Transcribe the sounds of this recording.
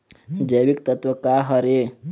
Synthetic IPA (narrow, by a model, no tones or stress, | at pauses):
d͡ʒɐjʋikt̪ət̪ʋəkaɦɐɾe